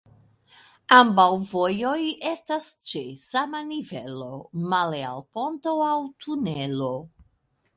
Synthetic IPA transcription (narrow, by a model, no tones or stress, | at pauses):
ambawvojojestast͡ʃesamanivelo̞malea̰lpo̞nto̞awtʰunelo